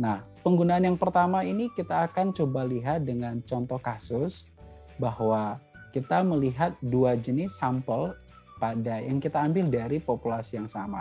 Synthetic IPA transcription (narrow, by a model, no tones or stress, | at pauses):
nahpəŋɡunaːnjaŋpərt̪amainikit̪aːkant͡ʃobaliɦat̪̚dəŋant͡ʃɔnt̪ɔhkasʊs | bahwakit̪aməliɦat̪̚duad͡ʒənɪsampəl | padajaŋkit̪aːmbɪldaɾipopulasijaŋsama